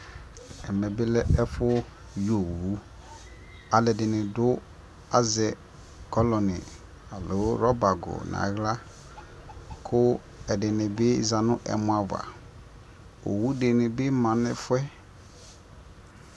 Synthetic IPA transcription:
ɛ˨mɛ˨bɪ˦lɛ˦ɛ˦fʊ˦ | jo˨wu˦ | a˨lɛ˨dɪ˨nɪ̃˨dʊ˦ | a˨zɛ˨ | kɔ˦lɔ˨nɪ̰˨ | a˨lo˨˦ɾɔ˦ba˨ɡʊ̰˨nã̰˨˦ɣla˦ | kʰʊ˦ | ɛ˨dɪ˨nɪ̃˨bɪ˦za˨nʊ̃˦ʔɛ̰˨mʊ̃˦a˨va̰˨ | o̰˨wu˦de˨nɪ̃˨bɪ˦mã˨nɪ˦fʊ˦ɛ˦

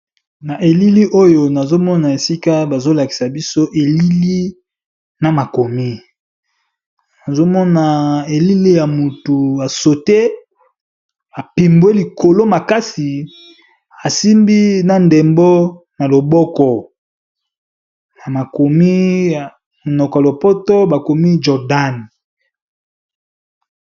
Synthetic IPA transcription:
na˨ʔe˨li˦li˦ʔo˦jo˨na˨zo˦mɔ˦na˨e˨si˦ka˦ba˨zo˦la˨ki˨sa˨bi˦so˦ʔe˨li˦li˦ | na˨ma˨ko˨mi˦ | na˨zo˦mɔ˦na˨e˨li˦li˦ja˨mu˨tu˨a˨so˨te˦ | a˨pi˨mbwe˦li˨ko˨lo˦ma˨ka˦si˨ | a˨si˦mbi˦na˦nde˨mbɔ˦ | na˨lo˨bɔ˦kɔ˨ | na˨ma˨ko˨mi˦˨ | nɔ˨kɔ˨a˨lo˨pɔ˦tɔ˦ba˨ko˨mi˦d͡ʒɔ˨da˦˨n˨

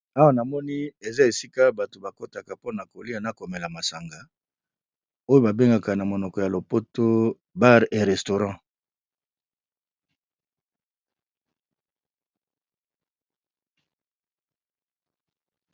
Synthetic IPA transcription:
a˦wa˦na˨mɔ˦ni˦e˨za˦e˨si˦ka˦ba˨to˨ba˨ko˦ta˨ka˨po˦na˨ko˨li˦a˨na˦ko˨me˨la˨ma˨sa˨ŋɡa˨ | o˦jo˦ba˨be˦ŋɡa˨ka˨na˨mo˨nɔ˨kɔ˨ja˨lo˨po˦to˦ | ba˦ʁe˨ʁɛ˨sto˨ʁɑ̃˦

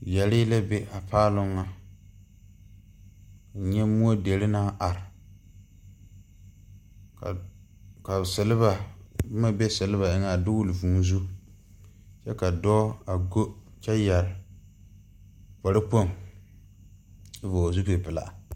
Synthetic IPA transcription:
jɛ˨lɪ˦la˦be˦a˨paː˦lʊ˦ŋːa˦˨ | ɲɛ˦mu˦o˦de˨lɪ˦na˦ʔa˨ɾɪ˨ | ka˨ka˨sɛ˨lɪ˦ba˨bma˦bɛ˦sɛ˨lɪ˦βa˨ɪ˦ŋa˨dʊ˦ɡʊ˦lvu˨m˦zu˦ | t͡ʃɛ˦ka˨dɔː˦a˨ɡo˦t͡ʃɛ˦ja˨ɾ | pa˨ɾɪ˦po˦˨ŋ˦ | vo˨zu˦pe˨pɨ˨la̰˨

